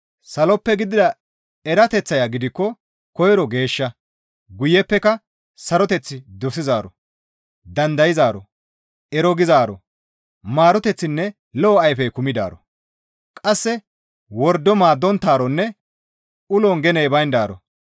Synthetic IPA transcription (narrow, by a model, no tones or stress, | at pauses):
sɐlɔpːɛɡɪd̪ɪd̪ɐ | ɛɾɐt̪ɛt͡sːɐjaɡɪd̪ɪkːɔ | kɔjɾɔɡe̞ːʃːɐ | ɡʊjːɛpːɛkɐ | sɐɾɔt̪ɛt͡sːɪd̪ɔsɪzaːɾɔ | d̪ɐnd̪ɐjɪzaːɾɔ̰ | ɛɾɔɡɪzaːɾɔ̰ | maːɾɔt̪ɛt͡sːɪnːɛ | lɔːɐjfɛjkʊmɪd̪a̰ːɾɔ | kʼɐsːɛ | wɔɾd̪ːɔmaːd̪ːɔnt̪ːaːɾɔnːɛ | ʔʊlɔŋɡɛneːbɐjnd̪aːɾɔ̰